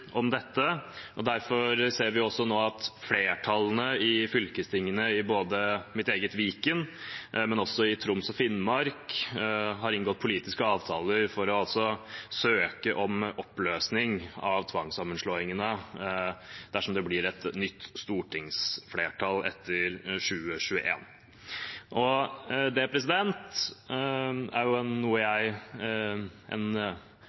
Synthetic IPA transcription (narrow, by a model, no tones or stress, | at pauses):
ʔɔmd̪ɛt̪ːəʔɔd̪æɾfɔɾseːɾʋɪɔsːɔnoːɑt̪fleːʈʰɑlənəɪfʏlkəst̪ʰɪŋːənəɪboːd̪əmɪt̪eːɡət̪ʋiːkənmɛnɔsːɔɪt̪ʰɾʊmsɔfɪnmɑɾk | ɦɑɾɪnɡɔt̪̚ːpʰʊliːt̪ɪskəɑːʋt̪ʰɑːləɾfɔɾɔɑlsɔsøːkəʔɔmɔpːløːsnɪŋɑʋt̪ʰʋɑŋsɑmːənʂɭoːɪŋənə | d̪̥æʂɔmd̪ɛblɪɾɛt̪nʏt̪ːst̪uːʈʰɪŋsfleːʈʰɑlɛ̰t̪ʰːəɾʂʉːəɕʉːə̰ʔḛːn | ʔɔd̪ɛpʰɾɛs̬ɪd̪ɛnt̪ | æ̰ɾjʊɛnːuːəjæɪ | ʔɛ̰n